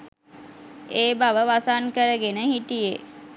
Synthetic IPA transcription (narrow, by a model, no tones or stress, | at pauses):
eːbaʋəʋasankəɾəɡenəɦiʈije